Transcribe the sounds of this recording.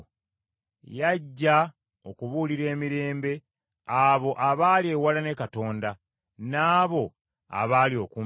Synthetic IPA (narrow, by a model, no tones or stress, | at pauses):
jaɟːa | okuβuliɾe̞ːmiɾe̞ːmbe̞ | aβo̞ʔaβaːlie̞ːwalane̞kato̞ːnda | naːβo̞ | a̰βaːlio̞ku